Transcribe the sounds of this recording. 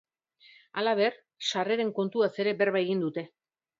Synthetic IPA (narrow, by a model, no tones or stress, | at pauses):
alaβ̞e̞r | ʃare̞ɾe̞ŋko̞nt̪uase̞ɾe̞be̞rβaeɣind̪ut̪e̞